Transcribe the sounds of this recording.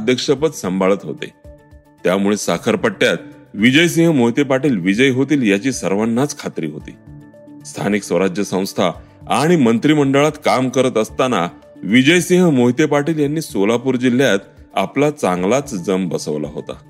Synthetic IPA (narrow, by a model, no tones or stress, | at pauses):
d̪ʱjəkʂəpət̪səmbʱaɭət̪ɦo̰t̪ḛ | t̪jamuɭesakʰəɾpəʈːjat̪̚ʋid͡ʑəjs̬ĩɦəmoɦit̪epaʈiːlʋid͡ʑəjɦot̪iːljat͡ɕiːsəɾʋanːat͡skʰat̪ɾḭːɦo̰t̪ḭː | st̪ʰa̰niksʋəɾad͡ʑjəsə̃w̃st̪ʰa | aɽ̃imənt̪ɾiːməɳɖəɭat̪kamkəɾət̪əst̪ana | ʋid͡ʑəjsĩɦəmoɦit̪jepaʈiːljanːiːsolapuːɾd͡ʑil̤ːjat̪ | a̰plat͡saŋɡlat͡sd͡zəmbəsəʋla̰ɦo̰t̪a̰